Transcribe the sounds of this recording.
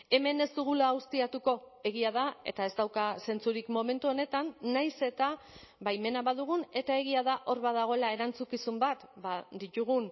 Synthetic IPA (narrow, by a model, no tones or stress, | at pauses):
e̞me̞ne̞zd̪uɣ̞ulaːwst̪iat̪uko̞ | e̞ɣ̞iaðae̞̰t̪ae̞zd̪awkase̞nt͡suɾikmo̞me̞nt̪uo̞ne̞t̪anːajse̞t̪aβajme̞naβaðuɣ̞une̞t̪ae̞ɣiaðaʔo̞ɾβaðaɣ̞o̞e̞lae̞ɾant͡sukisumbat̪bad̪it̪uɣ̞un